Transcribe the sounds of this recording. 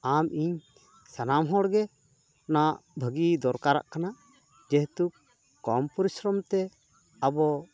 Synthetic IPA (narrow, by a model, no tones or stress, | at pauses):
amiɲ | sanamɦɔɽɡɛ | naʔbʱəɡid̪ɔɾkaɾa̰ʔkanaʔ | d͡ʒɛɦt̪ukː | ɔmpɔɾisɾɔmt̪ɛ | abɔ